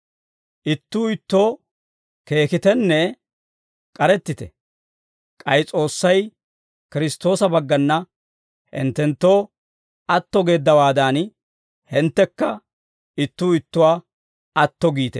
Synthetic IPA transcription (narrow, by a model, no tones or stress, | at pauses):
ʔɪt̪ːuːɪt̪ːo̞ː | ke̞ːkɪt̪ɛnːɛ | kʼɐɾɛt̪ːɪt̪ɛ̰ | kʼɐjt͡sʼo̞ːsːɐj | kɪɾɪst̪o̞ːsɐbɐɡːɐnːɐ | hɪ̰nt̪ːɛnt̪ːo̞ː | ɐt̪ːɔɡe̞ːd̪ːɐwaːd̪aːn | hɪnt̪ːɛkːɐ | ɪt̪ːuːɪt̪ːʊwaː | ɐt̪ːɔɡiːt̪ɛ